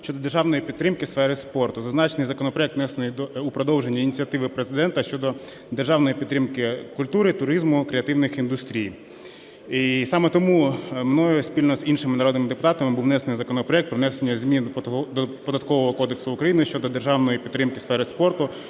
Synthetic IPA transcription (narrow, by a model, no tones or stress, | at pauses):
ʃt͡ʃɔd̪ɔd̪erʒɑwnɔjipʲidt̪ːɾɪmkɪsfɛɾɪspɔrt̪ʊzɐznɑt͡ʃnɪjzɐkɔnɔpɾɔɛkt̪ʋnɛsenɪjd̪ɔupɾɔd̪ɔwʒenʲːɐinʲit͡sʲiɐt̪ɪʋɪpɾezɪd̪ɛnt̪ɐʃt͡ʃɔd̪ɔ | d̪erʒɑwnɔjipʲidt̪ːɾɪmkɪkʊlʲt̪uɾɪt̪ʊɾizmʊkɾeɐt̪ɪwnɪxind̪ʊst̪ɾʲij | isɑmɛt̪ɔmumnɔjɛsʲpʲilʲnɔzinʃɪmɪnɐɾɔd̪nɪmɪd̪epʊt̪ɑt̪ɐmɪbuwnɛsenɪjzɐkɔnɔpɾɔɛk̚t̪pɾɔʋnɛsenʲːɐzʲmʲind̪ɔpɔd̪ɐt̪̚kɔʋɔɦɔkɔd̪eksʊʊkɾɐjinɪʃt͡ʃɔd̪ɔd̪erʒɑwnɔjipʲit̪ːɾɪmkɪsfɛɾɪspɔrt̪ʊ